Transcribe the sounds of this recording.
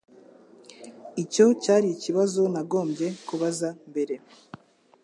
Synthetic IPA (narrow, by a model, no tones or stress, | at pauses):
ico̞caːɾiciβazo̞naɡo̞ːmɟe̞kuβazambe̞ɾe̞